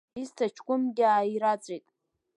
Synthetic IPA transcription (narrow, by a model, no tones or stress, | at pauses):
iztʰat͡ʃʰkʷʼʊmɡʲɪaːjiɾat͡sʷʼejtʼ